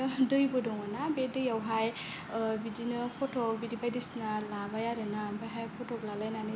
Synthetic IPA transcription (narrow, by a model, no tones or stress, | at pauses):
dɯjbɔdɔŋanabedɯjawɦaj | bidinɯpʰɔtʰɔk̚bidibajdisnalabajaɾɯnabajɦajpʰɔtʰɔklalajnani